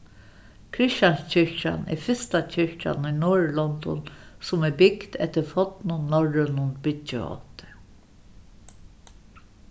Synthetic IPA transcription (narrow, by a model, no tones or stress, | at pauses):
kʰɾɪʃanscʰɪɹca̰nɛ̰fɪst̪acʰɪɹca̰nujnoːɹlɔnd̪ɔ̰nsʊmɛbɪkd̪ɛ̰ht̪ɪɾfɔt̪nʊnɔɹɪnʊnbɪtːə̰ɔ̰t̪ɪ̥